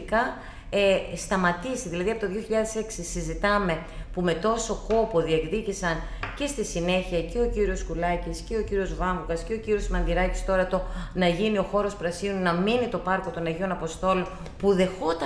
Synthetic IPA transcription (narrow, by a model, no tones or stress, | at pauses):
kɐ | est̪ɐmɐt̪isiðilɐðiɐpo̞t̪oðʝoçiʎɐðe̞se̞ksisizit̪ɐme̞pume̞t̪o̞so̞ko̞po̞ðie̞kðicisɐn | ce̞st̪isine̞çiɐce̞o̞ciɾio̞skulɐcisce̞ociɾio̞zvɐmvuɣɐsce̞o̞ciɾio̞smɐnðiɾɐci̥st̪o̞ɾɐt̪o̞nɐʝinio̞xo̞ɾo̞spɾɐsinunɐminit̪o̞pɐɾko̞t̪o̞nɐʝio̞nɐpo̞st̪o̞lo | puðe̞xo̞t̪ɐ